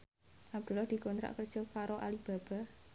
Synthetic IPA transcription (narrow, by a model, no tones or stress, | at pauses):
ʔab̚d̪̥ṳlɔhd̪̥i̤kɔnt̪ɾa̰ʔkərd̥ʒ̥ɔkaɾoʔa̰lib̥a̤b̥a̤